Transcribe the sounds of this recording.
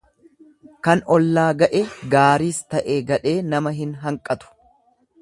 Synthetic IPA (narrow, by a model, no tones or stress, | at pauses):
kɐnɔlːaːɡɐʔɛɡaːɾiːst̪ɐʔeːɡɐᶑeːnɐmɐɦɪnɦɐŋkʼɐt̪ʊ̥